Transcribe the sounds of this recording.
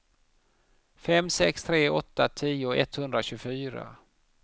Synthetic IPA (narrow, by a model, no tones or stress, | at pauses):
fɛmsɛkst̪ʰɾeːʔɔt̪ːat̪ʰiːʊɛt̪hɵnd̪ɾaɕɵːɡfyːɾa̰